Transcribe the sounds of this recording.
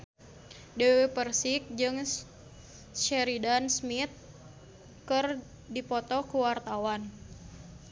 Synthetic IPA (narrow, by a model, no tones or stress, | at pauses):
dewepərsɪk̚d͡ʒɨŋ | ʃɛɾidansmit̪̚ | kɨr | dipɔt̪ɔkuwart̪awan